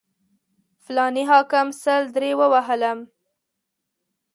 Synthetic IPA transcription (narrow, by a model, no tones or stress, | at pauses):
flɑniɦɑkɪmsəld̪ɾewəwaɦələm